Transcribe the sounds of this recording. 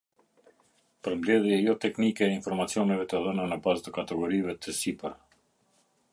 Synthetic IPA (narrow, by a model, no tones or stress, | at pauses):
pəɾmblɛðjɛjɔt̪ɛknikɛːinfɔɾmat͡siɔnɛvɛt̪əðənənəbazt̪əkat̪ɛɡɔɾivɛt̪ʰəsipəɾ